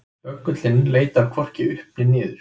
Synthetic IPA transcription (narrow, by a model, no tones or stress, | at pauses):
œkːʏt̪lɪnleːjt̪aɾkʰvɔr̥cɪʏhpnɪniːðʏɾ̥